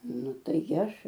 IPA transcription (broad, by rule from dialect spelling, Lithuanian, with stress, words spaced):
ˈnʊ ˈtɐɪ ˈɐʃ